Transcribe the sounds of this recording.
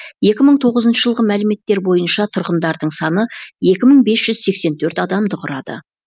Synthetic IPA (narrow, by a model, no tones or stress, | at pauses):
je̞kʲɪməɴt̪ʰo̞ʁəzənʃəʒəlˠʁəmælɪme̞t̪ːe̞ɾbo̞jənʃɑt̪ʰʊɾqənd̪ɑɾd̪əɴsɑnəje̞kʲɪməɴbe̞sʒ̥ʏz̥se̞kse̞nt̪ʰɵɾt̪ɑd̪ɑmd̪əqʰʊɾɑd̪ə̰